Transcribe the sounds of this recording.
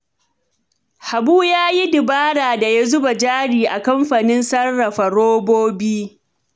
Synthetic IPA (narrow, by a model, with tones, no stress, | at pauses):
ha˨buː˦jaː˦ji˦dɪ˨baː˦ɽaː˨da˨ja˦zʊ˦ba˨d͡ʒaː˦ɽiː˨ʔa˨kɐ˦mɸaː˨nɪ˦nsɐ˦rːɐ˨ɸa˨ɽoː˦boː˦biː˦